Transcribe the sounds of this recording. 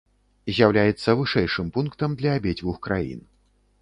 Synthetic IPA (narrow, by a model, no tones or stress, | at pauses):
zʲjawlʲajɛt̪sːɐvɨʂɛjʂɨmpunkt̪ɐmd̪lʲɐːbʲed͡zʲvuxkɾa̰jḭn